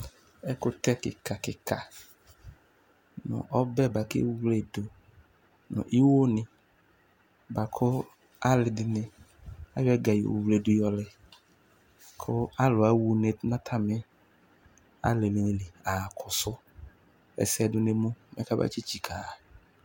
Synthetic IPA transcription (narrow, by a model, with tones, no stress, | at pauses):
ɛ˦kʊ˦t̪ɛ˦kɪ̰˨ka˨kɪ˨ka̰˨ | nʊ̰˨ʔɔ˦bɛ˦˨ba˨kɪ̰˦wle˨dʊ˨ | nʊ̰̃˨ʔi˦wo˦nɪ˨ | ba˨kʰʊ˦ | a˦lɪ˨dɪ˨nɪ˨ | a̰˦jɔ˦ɛ˦ɡa˨jḭ˨wle˨dʊ˨jɔ˨lɪ˨ | kʰʊ˦a˦lʊ˨a˨wu˦ne˨˦nã˦t̪ʰa˦mɪ˦ | a̰˦le˨mi˨nɪ̃˨lɪ˨a˨kʰʊ˨sʊ˦ | ɛ̰˨sɪ˦ɛ˨dʊ˨ne˨mũ˦mɛ̰˦ka˦ba̰˦t͡ʃi˦t͡ʃi˨kʰa˨